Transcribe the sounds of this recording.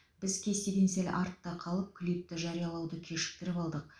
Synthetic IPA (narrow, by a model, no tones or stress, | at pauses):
b̥ɪzkʲʰe̞st̪e̞ɡʲe̞nsel̰ʲʔɑɾt̪ːɑqʰɑlˠəp̚kʲʰɪlip̚t̪ɪʒɑɾijɑlˠɑwd̪əkʲʰe̞ʃɪ̥k̚t̪ɪɾɪpɑlˠd̪əq̚